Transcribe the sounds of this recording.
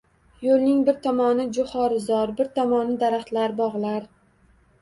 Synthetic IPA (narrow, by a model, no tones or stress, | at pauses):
jolˠnɪŋbɪɾt̪ʰɒmɒnɪd͡ʒʊhɒɾɪzɒɾbɪɾt̪ʰɒmɒnɪd̪aɾaχt̪laɾbɒʁlˠaɾ